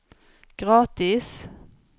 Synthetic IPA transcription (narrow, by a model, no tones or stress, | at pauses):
ɡ̥ɾɑːt̪ɪs